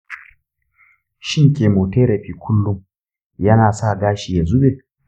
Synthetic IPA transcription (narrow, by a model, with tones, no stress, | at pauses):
ʃɪ˦ŋkʲeː˨moː˨teː˦ɾɐ˨ɸiː˦kʷʰʊ˦lːʊ˦ŋ | jɐ˦naː˨sa˦˨ɡaː˦ʃiː˨ja˨zʊ˦ɓeː˨